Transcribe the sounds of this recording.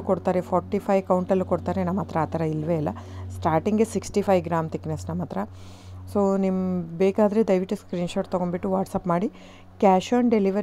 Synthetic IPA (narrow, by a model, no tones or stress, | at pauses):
koɽt̪aːɾepʰɔːɾʈːipʰɐjkɐwɳʈɐlːukoɽt̪aːɾenɐmːɐt̪ɾɐaːt̪ʰɐɾɐilʋeilːɐ̰sʈaːɾʈiŋɡesiksʈipʰɐjɡɾaːmt̪iknɐsnɐmːɐt̪ɾɐ | soːnimbeːkaːd̪ɐɾe̞d̪ɐjʋiʈːuskɾiːnʃoːʈt̪ɐɡoɳbiʈːuʋaːʈsaːpmaːɽi | kaːʃɐːɳɖeliʋɐ